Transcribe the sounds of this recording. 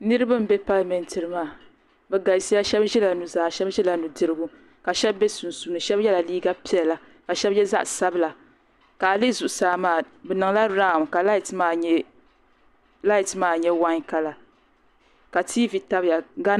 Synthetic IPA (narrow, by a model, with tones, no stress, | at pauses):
nɨ˦ɾɨ˦ba˦m̩˦bɛ˦pa˦lmɛ˨ntɨ˨ɾɨ˨maː˦˨ | bɛ˨ɡa˨si˦ja˦ʃɛ˦bʒɛ˦la˨nu˨za˨ʃɛ˦bʒɛ˦la˨nu˨dɨ˨ɾɨ˦ɡu˦ | ka˨ʃɛ˦bːe˦su˨nsu˨˦nɨ˨ʃɛ˦bjɛ˦la˨liː˦ɡa˦pi˨˦ɛ˨lla˨ | ka˨ʃɛ˦bjɛ˦za̰˦ʔsa˦bɨ˦la˨ | ka˨lɨ˦zu˨ʔʊ˨saː˨˦maː˦˨ | bɛ˨nɨ˨ŋla˦ɾa˦˨mka˨la˦˨tmaː˦˨ɲɛ˦ | la˦jtmaː˦˨ɲɛ˦wa˦ɲka˨la˨ | ka˨tʰiː˦vi˨ta˦bja˨ɡa˦